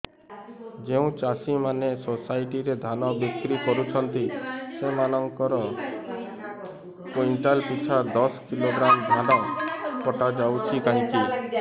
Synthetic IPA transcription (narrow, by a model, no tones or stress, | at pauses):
d͡ʒeũt͡ʃasimanesosajʈiɾed̪ʱanɔbikɾikɔɾut͡ʃʰɔnt̪isemanɔŋkɔɾɔ | poiɳʈalpit͡ʃʰad̪ɔskiloɡɾamd̪ʱanɔpɔʈad͡ʒawt͡ʃʰikaɦĩki